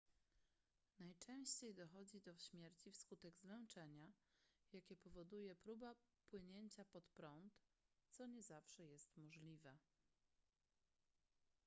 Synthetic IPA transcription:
najt͡ʂɛ̃w̃ɕt͡ɕejd̪ɔxɔd͡ʑid̪ɔfɕmʲjɛɾt͡ɕifskut̪ɛɡzvɛwt͡ʂɛɲajakʲɛpɔvɔd̪ujɛpɾubapwɘɲeɲt͡ɕapɔt̪pɾɔnt̪t̪sɔɲɛzafʂɛjɛst̪mɔʐlʲivɛ

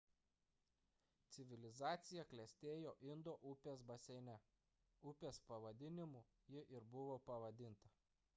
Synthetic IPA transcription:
t̪sʲɪʋʲɪlʲɪzɑːt̪sʲɪjɛklʲɛsʲt̪ʲeːjoːʔɪnd̪oːʔʊpʲeːsbɐsʲɛnʲɛ | ʊpʲeːspɐʋɐd̪ʲɪnʲɪmʊ | jɪʔɪɾbʊʋoːpɐʋɐd̪ʲɪnt̪ɐ

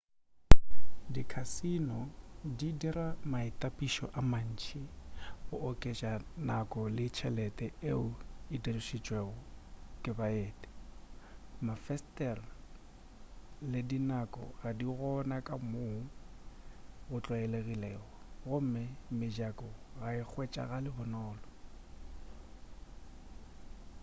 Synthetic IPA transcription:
dikʰasinɔdidiramaɪtʼapʼiʃɔʔaman̩t͡ʃʰɪʊʔɔkʼet͡ʃʼanakʼɔlɪt͡ʃʰɛlɛtʼɛeʊiderʊʃit͡ʃʼweɣɔkʼɪbaeːtʼɛ̥ | mafɛstʼɛr | lɪdinakʼɔ̰ɣadiɣɔnakʼamoŋ̩ | ɣʊt͡ɬʼwaɛleɣilɛːɣɔɣʊm̩mɪmɪd͡ʒakʼɔɣaɪk͡xʰwet͡ʃʼa̰ɣalɪbʊnɔːlɔ

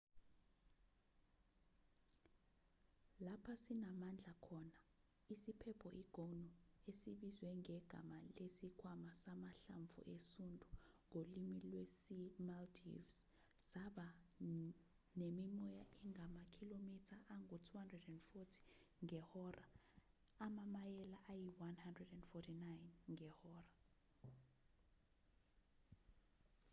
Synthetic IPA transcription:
lapʰasinamand͡ɮʱakʰɔna | isipʰɛpʰɔʔiɡ̥ʱonɔesiɓizwɛŋɛɡ̥ʱa̰malesikʰwamasamaɬaɱvṵʔesundʱʼuŋolimilwesimaltʰḭvs | saɓa | nemimɔjaʔɛŋamakʰilomitʰaʔaŋutʰuhandrɛdɛndfɔtʰi̥ŋɛhɔrʔa | amamajɛlaʔajiwanhandrɛdɛndfɔtʰinajnŋɛhɔːra

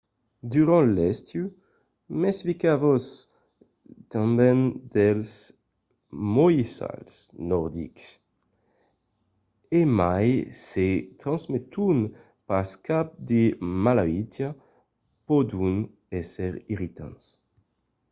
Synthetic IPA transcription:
d̪yʁɑ̃lɛst̪ju | mɛsfikavos | t̪ɑ̃mbɛnd̪ɛls | mojisa̰lsnɔʁd̪ḭks | emajset̪ɾɑ̃zmet̪un | paskap̚d̪emalavit̪ja | pod̪un | ɛsɛʁiʁit̪ã̰ns

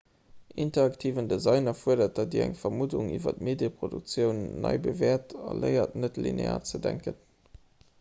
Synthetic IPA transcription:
ʔintɐɑktʰiːvəndezɑɪnɐfuɐdɐt̚d̥ɑt̚diːɐæ̰ŋfɐmuduŋivɐ̰tmeːdjəpʁ̥oduk̚t͡sjəʊnːɑ̰ɪbəveːɐtɑ̰ləɪɐtnətlḭnḛa̰ːt͡sədæŋkən

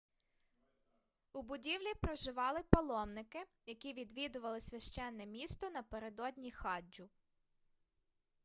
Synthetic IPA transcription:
ubʊdʲiwlʲipɾɔʒɪʋɑlˠɪpɔlˠɔmnɪkɪ | jɐkʲiʋʲid̪ʋʲid̪ʊʋɐlˠɪsʲʋʲɐʃt͡ʃɛnːɛmʲist̪ɔnɐpeɾed̪ɔdʲnʲixɑd͡ʒʊ

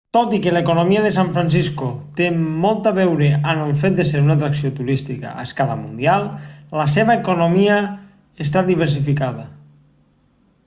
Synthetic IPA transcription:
t̪ot̪ikelaekonomiaðes̬aɱfɾansiskot̪eːɔlˠt̪aβɛwɾeanəlˠfet̪̚d̪eseɾunat̪ɾaksiot̪uɾist̪ika̰a̰skalamund̪ialˠlaseβaekonomia | es̬t̪ad̪iβ̞eɾs̬ifikað̞a

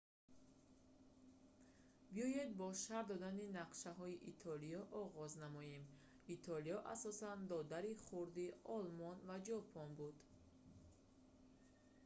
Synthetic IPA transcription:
biɔjed̪̚bɔʃaɾd̪ɔd̪aninaqʃaɦɔiʔit̪ʰɔliɔʔɔʁɔznamɔjem | it̪ʰɔlijɔʔa̰sɔsand̪ɔd̪aɾiχuɾd̪iɔlmɔnvad͡ʒɔpʰɔnbud̪

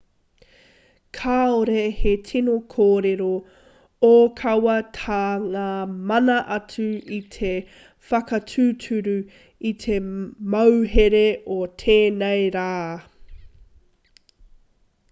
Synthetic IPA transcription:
kʰaːoɾehetʰinokʰoːɾeɾo | okʰɐwɐtʰaːŋaːmɐnɐʔɐt͡sʉit̪ʰe | fɐkɐtʰʉːtʰʉɾʉ | it̪ʰemɐwɦeɾeotʰeːnejɾaː

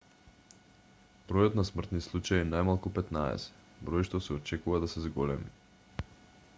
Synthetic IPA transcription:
bɾɔjɔt̪nasmr̩t̪nislˠut͡ʃajinajmalˠkupɛt̪naɛ̰sɛ̥ | bɾɔjʃt̪ɔsɛɔt͡ʃɛkuvad̪asɛzɡɔlɛmḭ

